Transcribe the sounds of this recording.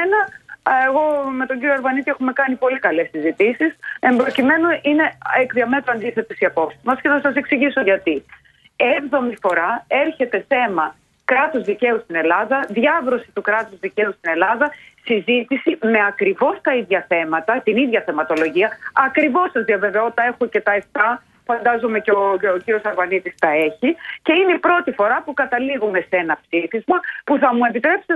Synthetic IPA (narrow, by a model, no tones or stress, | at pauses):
enɐeɣo̞me̞t̪o̞ɲɟiɾjoɐɾvɐnit̪iexume̞kɐnipo̞likɐle̞sizit̪isise̞mbɾo̞cime̞noʔine̞ekðiɐme̞t̪ɾoɐnd̪iθe̞t̪osiɐpo̞psizmɐsce̞θɐsɐse̞ksiʝisoʝɐt̪i | e̞vðo̞mifo̞ɾɐe̞ɾçe̞t̪e̞θe̞mɐ | kɾɐt̪uzðice̞ust̪ine̞lɐðɐðʝɐvɾo̞sit̪ukɾɐt̪uzðice̞ust̪ine̞lɐðɐsizit̪isime̞ɐkɾivo̞st̪ɐiðʝɐθe̞mɐt̪ɐt̪iniðʝɐθe̞mɐt̪o̞lo̞ʝiɐɐkɾivo̞sɐzðiɐve̞ve̞o̞t̪ɐe̞xoce̞t̪ɐe̞ft̪ɐ | fɐnd̪ɐzome̞ceoociɾio̞sɐɾvɐnit̪ist̪ɐe̞çice̞inepɾo̞t̪ifo̞ɾɐpukɐt̪ɐliɣume̞se̞nɐpsifizmɐpuθɐmue̞pit̪ɾe̞pse